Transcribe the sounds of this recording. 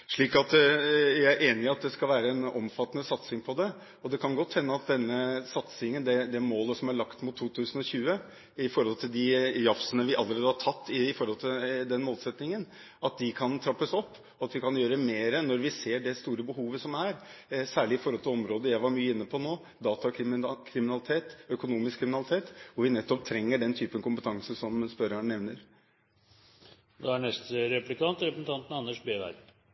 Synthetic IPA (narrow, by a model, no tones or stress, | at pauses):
ʂɭiːkɑt̪jææɾʔeːnɪɑt̪̚d̪ɛskɑlʋæːɾəɛnɔ̰mfɑt̪ːənəsɑt̪sɪŋpʰɔd̪ɛ | ɔd̪ɛkʰɑnɡɔt̪ːhɛnːəɑt̪̚d̪ɛnːəsɑt̪sɪŋənd̪ɛd̪ɛmoːləsɔmæɭɑkt̪mʊt̪ʰːuːt̪ʰʉːsənɔçʉːə | ɪfɔɾhɔlt̪ʰɪld̪ɪjɑfsənəʋɪʔɑlːəɾeːd̪əhɑʈʰɑt̪ːɪɪfɔɾhɔlt̪ʰɪld̪ɛnmoːlsɛt̪nɪŋən | ɑt̪̚d̪ɪkʰɑnt̪ʰɾɑpːəsɔpː | ɔɑt̪ʋɪkɑnjøːɾəmeːɾənɔɾʋɪseːɖɛst̪uːɾəbəhuːʋəsɔmæɾsæːɭɪɪfɔɾhɔlt̪ʰɪlɔmɾoːd̪əjæɪʋɑɾmyːəɪnːəpʰɔnoː | d̪ɑːt̪ɑkɪkʰɾɪmɪnɑlɪt̪ʰeːt̪œkʊnuːmɪskʰːɾɪmɪnɑlɪt̪ʰeːt̪ɔʋɪnɛt̪ːɔp̚t̪ʰɾɛŋːəɖɛnt̪ʰyːpənkʊmpət̪ʰɑŋsəsɔmspœɾəɳnɛʋnəɾ | d̪ɛæɳɛst̪əɾɛplɪkʰɑnt̪ɾɛpəsn̩t̪ʰɑnt̪nɑnːəʂbeːʋæ̰ɾ